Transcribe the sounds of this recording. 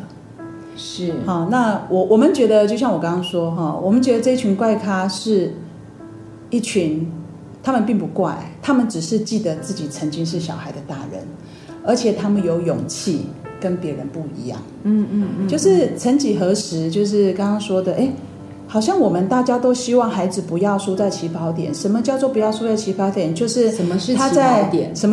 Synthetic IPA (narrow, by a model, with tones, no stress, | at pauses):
ʂɻ̩˥˩xɔ˥˩na˥˧wʔɔ˨˩wɔ˨˩mə˨˦nt͡ɕɥɛ˧˥d̪ə˧t͡ɕjo˥˧ʊɕjɑ˥˩ŋwɔ˨˩kɑ˥ŋkɑ˥ŋʂwɔ˥ɦɔ˥˩wɔ˨˩mə˦nt͡ɕɥɛ˧˥d̪ə˧ʈ͡ʂɤ˥˧i˥˩t͡ɕʰy˧˥nkwa˥˩ɪkʰa˥ʂɻ̩˥˩ | i˥˩t͡ɕʰy˧˥n | t̪ʰa˥mə˨npi˥˩ŋpu˧˥kwa˥˩ɪt̪ʰa˥mə˨nʈ͡ʂɻ̩˨˩ʂɻ̩˥˧t͡ɕi˥˩d̪ə˩t͡sɹ̩˥˩t͡ɕi˨˩t͡sʰə˧˥nt͡ɕi˥ŋʂ̬ɻ̩˥˩ɕjɑ˨˩ʊxa˧˥ɪə˨t̪a˥˩ɻə̰˧˦n | ə˞˧˥t͡ɕʰjɛ˨˩t̪ʰa˥mə˨njo˧˥ʊjo˨˩ŋt͡ɕʰi˥˩kə˦npjɛ˨˧˥ɻə˧˦npu˥˩ḭ˧˥jɑ̰˥˩ŋ˥ | t͡ɕjo˥˧ʊʂɻ̩˥˩t͡sʰə˧˥nt͡ɕi˨˩xɤ˧˥ʂɻ̩˧˥t͡ɕjo˥˧ʊʂ̬ɻ̩˥˩kɑ˥ŋkɑ˥ŋʂwɔ˥d̪ə˨ʔe˥˩ɪ | xɑ˨˩ʊɕjɑ˥˩ŋwɔ˨˩mə˨nt̪a˥˩t͡ɕja˥t̪o˥ʊɕi˥wɑ˥˩ŋxa˧˥ɪd͡zɹ̩˨pu˧˥jɑ˥˩ʊʂu˥t͡sa˥˩ɪt͡ɕʰi˧˥pɑ˧˥ʊt̪jɛ̰˨˩˦nʂə˧˥nmə˧t͡ɕjɑ˥˧ʊt͡swɔ˥˩pu˨˦˥jɑ˥˩ʊʂu˥t͡sa˥˩ɪt͡ɕʰi˧˥pɑ˧˥ʊt̪jɛ˨˩nt͡ɕjo˥˧ʊʂɻ̩˥˩ə˧mt̪ʰa˥t͡sa˥˩ɪt̪ɛ˨˦ʂə˧˥nmə˧